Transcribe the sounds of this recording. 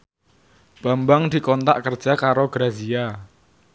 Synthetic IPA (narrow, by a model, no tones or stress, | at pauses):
b̥ambaŋd̪̥i̤kɔnt̪a̰ʔkər̥ʒ̥akaɾoɡɾazia